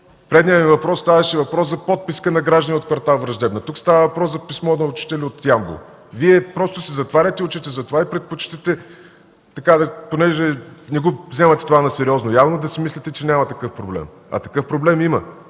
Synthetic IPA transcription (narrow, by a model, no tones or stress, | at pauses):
pɾɛd̪niəmivɐpɾɔst̪avɐʃɛvɐpɾɔszɐpɔt̪̚piskənɐɡɾaʒd̪ɐniot̪̚kvɐɾt̪alˠvɾɐʒd̪ɛbnɐt̪ukst̪avɐvɐpɾɔszɐpismɔnɐʊt͡ʃi̥t̪ɛlʲɛot̪jambo̰ | viɛpɾɔst̪osɛzɐt̪vaɾʲət̪ɛiʊt͡ʃit̪ɛzɐt̪ovaipɾɛt̪̚pot͡ʃt̪ɛt̪ɛ | t̪ɐkad̪ɐponɛʒɛnɛɡovzʲɛmɐt̪ɛ̥t̪ovanɐsɛɾʲiɔznojavnod̪ɐsimislʲɛt̪ɛt͡ʃɛnʲamɐt̪ɐkɤfpɾoblɛ̰m | ɐ̰t̪ɐkɤfpɾoblɛmimə